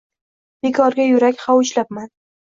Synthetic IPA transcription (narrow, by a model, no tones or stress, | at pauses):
b̥ekʰɒɾɡʲajʊɾakʲhawʊt͡ʃlap̚man